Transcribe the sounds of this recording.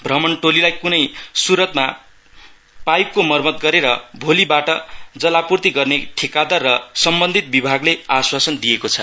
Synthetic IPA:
bʱrʌmʌɳʈolilajkunʌjsuɾʌt̪ma | pajp̚komʌrmʌt̪̚ɡʌɾeɾʌbʱolibaʈʌd͡zʌlapurt̪iɡʌrneʈʰekad̪ʌrːʌsʌmbʌnd̪ʱit̪̚bibʱaɡleaswasʌnd̪ijekot͡sʰʌ̰

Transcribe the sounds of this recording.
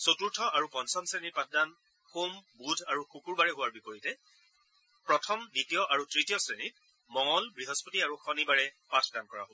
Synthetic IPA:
sotuɹtʰɔʔaɹupɔnsɔnsenipat̚ʰdan | xumbudʱaɹuxukuɹbaɹɛɦʊwaɹbipoɹitɛ | pɹɔtʰɔmditijɔʔaɹutɹitijɔsɹenit̚ | mɔŋɔlbɹiɦɔspɔtiaɹuxɔnibaɹɛpatʰdankɔɹa̰ɦo

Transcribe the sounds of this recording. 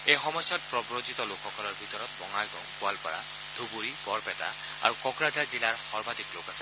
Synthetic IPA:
ejxɔmɔjsɔt̚pɹɔbɹozit̪ɔlokʰːɔkʰɔlɔɹbʱitɔɹɔt̚bɔŋajɡɔŋkʊalkɔɹa̰ | d̪ʱubuɹibɔɹpɛta̰ | a̰ɹukɔkɹazaɹzilaɹxɔɹbʱatiklokasɛ̥

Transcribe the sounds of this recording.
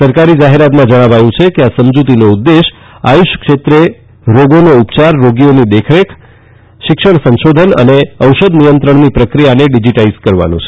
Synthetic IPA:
səɾkaɾid͡ʒaɦeɾat̪mãd͡ʒəɽ̃aʋajũt͡ʃʰekeasəmd͡ʒut̪inoud̪ːeʃ | a̰juʃkʃet̪ɾe | ɾoɡonoupt͡ʃaɾːoɡionid̪ekʰɾekʰ | ʃɪkʃəɳsə̃nʃod̪ʱənə̰neəwʃəd̪nijənt̪ɾəɳnipɾəkɾijaneɖid͡ʒiʈaizkəɾʋa̰nõ̰t͡ʃʰe

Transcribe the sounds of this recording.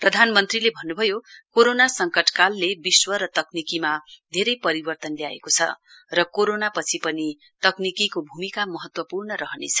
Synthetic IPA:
prʌd̪ʱanmʌnt̪rilebʱʌnːubʱʌjokoɾonasʌŋkʌʈkalːebiswʌɾʌt̪ʌknikimad̪ʱeɾʌjpʌɾibʌrt̪ʌnlea̰ekot͡sʰʌ̰rʌkoɾonapʌt͡sʰipʌni | t̪ʌknikikobʱumikamʌɦʌt̪wʌpurnʌɾʌɦʌnḛt͡sʰʌ̥

